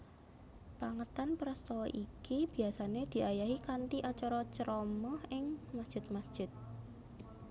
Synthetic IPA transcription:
paŋət̪anpɾast̪ɔwɔʔikib̥i̤asaned̪̥i̤ʔajaɦikant̪iʔat͡ʃɔɾɔt͡ʃəɾɔmɔhɪŋmasd̥ʒ̥ɪ̤t̪̚masd̥ʒ̥ɪ̤t̪̚

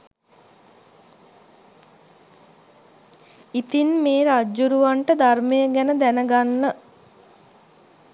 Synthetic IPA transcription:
it̪inmeːɾad͡ʒːuɾuʋaɳʈəd̪arməjəɡɛnəd̪ænəɡanːə

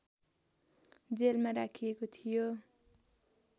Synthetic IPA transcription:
d͡zelmaɾakʰijekot̪ʰijo

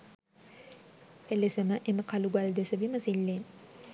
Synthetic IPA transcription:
elesəməʔeməkaluɡald̪esəʋiməsilːen

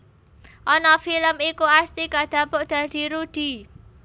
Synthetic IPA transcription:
ʔɔnɔfiləmikuast̪ikad̪̥ä̤pʊʔd̪̥ä̤d̪̥i̤ɾud̪̥i̤

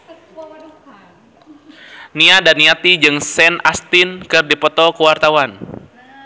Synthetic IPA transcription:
niadaniat̪id͡ʒɨŋsɛnast̪ɪnkɨrdipɔt̪ɔkəwart̪awan

